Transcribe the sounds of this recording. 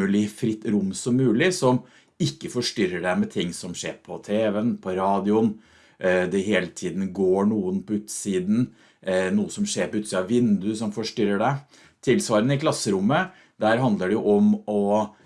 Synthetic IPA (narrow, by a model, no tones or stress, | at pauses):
ʉːlɪfɾɪt̪ːɾʊmsɔmːʉːlɪsɔm | ɪkːəfɔʂʈʏɾəɖæmɛt̪ʰɪŋːsɔmʂḛːɾpʰɔt̪ʰeːʋɛənpʰɔɾɑːd̪ɪʊn | d̪ɛɦeːlət̪ʰiːd̪n̩ɡoːɳuːənpʰɔʉːt̪siːd̪n̩ | nuːəsɔmʂeːɾpɔʉːt̪siːd̪ɑʋɪnd̪ʉsɔmfɔʂʈʏɾːəɖæ | t̪ʰɪlsʋɑːɾənəɪkʰlɑsːəɾʊmːə | d̪æːɾɦɑnd̪ləɖɛjʊʔɔmɔ